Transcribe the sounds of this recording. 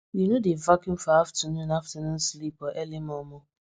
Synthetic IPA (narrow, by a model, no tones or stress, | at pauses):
junodevakjũmfɔaftənũnaftənũnslipɔʔɛlimɔmɔ